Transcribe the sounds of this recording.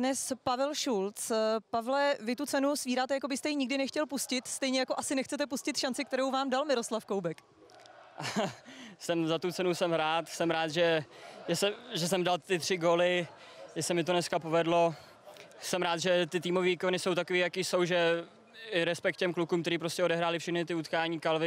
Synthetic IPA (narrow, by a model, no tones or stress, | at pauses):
dnɛspavɛlʃult͡spavlɛvɪt̪ut͡sɛnusviːɾaːt̪ɛjako̞bɪst̪ɛjiɲɪɡ̚dɪnɛxcɛlpuscɪt̪st̪ɛjɲɛjako̞ʔasɪnɛxt͡sɛt̪ɛpuscɪt̪ʃant͡sɪk̚t̪ɛɾowvaːmdalmɪɾoslafkowbɛk | sɛmzat̪ut͡sɛnusɛmɾaːt̪sɛmɾaːt̪ʒɛʒɛsɛʒɛs̬ɛmdalt̪ɪt̪r̝̥ɪɡoːlɪ | ʒɛsɛmɪt̪onɛskapovɛdlo̞ | sɛmɾaːt̪ʒɛt̪ɪt̪iːmoviːvikonɪso̞wt̪akoviːjakiːso̞wʒɛ | ɪɾɛspɛk̚t̪̚cɛmklukuːmkt̪ɛɾiːpɾo̞scʲɛodɛɦɾaːlɪfʃɛxnɪt̪ɪut̪kaːɲiːkalvɪ